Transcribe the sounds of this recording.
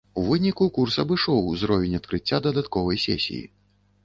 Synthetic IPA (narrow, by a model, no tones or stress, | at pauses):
uvɨnʲikukursɐbɨʂɔwzɾɔvʲɛnʲɐt̪kɾɨt͡sʲːad̪ɐd̪at̪kɔvɐjsʲɛ̰sʲḭjḭ